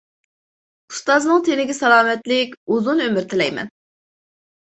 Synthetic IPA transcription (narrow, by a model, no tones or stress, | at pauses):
u̥st̪ɑznəŋt̪ʰenɪɡʲɛsɛlˠɑːmɛt̪lɪkʲuzunømyɾt̪ʰɪlɛjmɛ̰n